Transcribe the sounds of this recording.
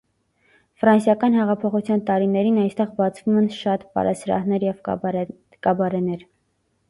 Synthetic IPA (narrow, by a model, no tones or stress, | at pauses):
fɾɑnsjɑkɑn̪hɛʁɑpʰɔχut͡sʰjɑnt̪ɑɾinɛɾinɑjst̪ɛʁbɑt͡sʰvumɛnʃɑt̪pɑ̰ɾʔɑsɾɑ̰hnɛɾjɛv | kɑbɑɾɛnɛɾ